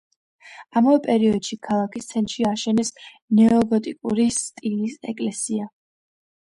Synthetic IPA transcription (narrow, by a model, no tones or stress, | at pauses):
amavɛpʼɛɾiɔd̪̥ʃikʰalˠakʰist̪sʰɛnt̪ʼʃiaʃɛnɛs | nɛɔbɔt̪ʼikʼuɾist̪ʼilisɛ̰kʼlɛsia